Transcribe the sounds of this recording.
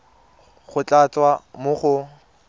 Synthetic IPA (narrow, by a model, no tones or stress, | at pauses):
χʊt͡ɬʼat͡sʼwamʊχʊ